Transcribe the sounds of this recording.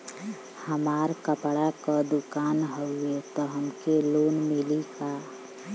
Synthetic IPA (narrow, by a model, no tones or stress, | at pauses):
həmaːɾkəpɽakad̪ʊkaːnɦəet̪ɔɦəmkeloːnmɪlika